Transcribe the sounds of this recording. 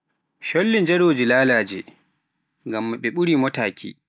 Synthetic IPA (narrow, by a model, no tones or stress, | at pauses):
ʃɔlːɪnd͡ʒɛɽoːd͡ʒilaːlaːd͡ʒɛ | ŋɡamːaɓɛɓʊɽiːmɔtaːkʰʲḭː